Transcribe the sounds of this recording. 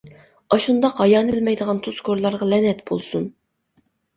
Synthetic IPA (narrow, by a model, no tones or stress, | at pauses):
ɑʃund̪ɑqhɑjɑːnɨɪlmɛjd̪əʁɑnt̪ʰuskʰoɾlˠɑɾʁɑlɛnɛt̪bolˠsun